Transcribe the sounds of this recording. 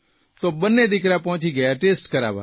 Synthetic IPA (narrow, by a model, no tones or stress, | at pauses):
t̪obənːed̪ɪkɾapɔ̃ːt͡ʃiɡəjaʈeːsʈkəɾa̰ːʋa̰